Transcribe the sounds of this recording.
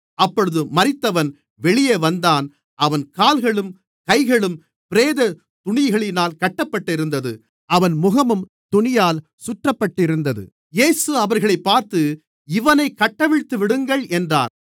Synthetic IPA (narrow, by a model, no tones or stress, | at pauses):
ɐpːɔɻɯðɯmɐɾɪt̪ːɐʋɐn | ʋɛɭɪjeːʋɐnd̪aːn | ʔɐʋɐnkaːlɣɐɭɯm | kɐɪɣɐɭɯm | pɪɾeːðɐ | t̪ʊɳɪɣɐɭɪnaːlkɐʈːɐpːɐʈːɪɾɯnd̪ɐðɯ | ʔɐʋɐnmʊɣɐmɯm | t̪ʊɳɪjaːl | sʊʈrɐpːɐʈːɪɾɯnd̪ɐðɯ̰ | jeːsɯɐʋɐɾɣɐɭɐɪpːaːɾt̪ɯ | ɪʋɐnɐɪkːɐʈːɐʋɪɻt̪ːɯʋɪɽɯŋɡɐɭʔɛndra̰ːn